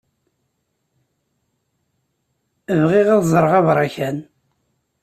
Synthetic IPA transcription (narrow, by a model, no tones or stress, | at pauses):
əvʁiʁæðzˤəɾˤʁɑvɾˤɑçæn